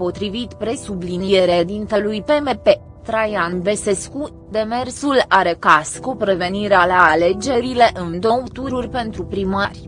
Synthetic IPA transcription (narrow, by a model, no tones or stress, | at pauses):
po̞t̪ɾivit̪pɾe̞sublinije̞ɾed̪int̪elujpe̞mepe̞ | t̪ɾajanve̞se̞sku | d̪e̞me̞rsulaɾekaskupɾe̞ve̞niɾealaale̞d͡ʒe̞ɾile̞ʔɨnd̪oo̞wt̪uɾurʲpe̞nt̪ɾupɾimarʲ